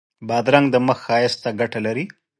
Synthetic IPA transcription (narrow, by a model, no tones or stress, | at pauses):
bɑd̪ɾaŋɡd̪əməxːɑjɪst̪aɡaʈalaɾi